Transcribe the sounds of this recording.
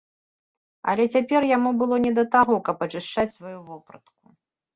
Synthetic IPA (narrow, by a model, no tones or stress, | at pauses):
ɐ̰lʲɛt͡sʲapʲɛrjamubɨlˠɔnʲɛd̪ɐt̪aɣɔkɐpɐt͡ʂɨʂt͡ʂat͡sʲsvajuvɔpɾɐt̪ku̥